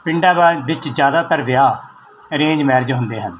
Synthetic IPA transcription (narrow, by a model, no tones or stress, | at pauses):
pɪɳɖaːbaːbɪt͡ʃd͡ʒjaːd̪aːt̪əɾʋɪjaː | ɾẽːd͡ʒmɛːɾd͡ʒɦʊnd̪eːɦən